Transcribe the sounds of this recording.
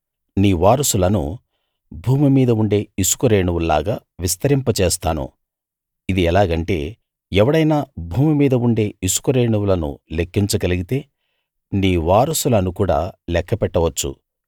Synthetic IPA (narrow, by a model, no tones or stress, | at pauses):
niːʋaːɾɐsulɐnṵ | bʱuːmimiːd̪ɐuɳɖe̞ːisu̥kuɾeːɳuʋulla̰ːɡaː | ʋist̪ɐɾimpɐt͡ʃeːst̪aːnṵ | id̪iɛlaːɡɐɳʈe̞̰ː | ɛʋɐɽɐjnaːbʱuːmimiːd̪ɐuɳɖe̞ːisu̥kuɾeːɳuwulɐnṵle̞kːiɲt͡ʃɐɡɐliɡit̪e̞ː | niːʋaːɾɐsulɐnukuːɽa̰ːlɛkʰːɐpɛʈːɐʋɐt͡ʃːṵ